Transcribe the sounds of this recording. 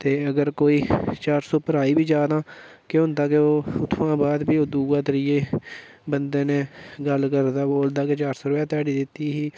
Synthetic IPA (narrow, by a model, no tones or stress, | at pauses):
t̪eːəɡəɾkoːiːt͡ʃaːɾsoːpəɾaːiːbiːd͡ʒaːd̪ãː | kɪɦʊ̃nd̪aːkeoːʊt̪ʰːʋãːbaːd̪biːoːd̪uːãːt̪əɾiːeː | bənd̪eːnẽːɡəlkəɾd̪aːboːld̪aːket͡ʃaːɾsoːɾbãːt̪aːɽiːd̪ɪt̪ːiːɦiː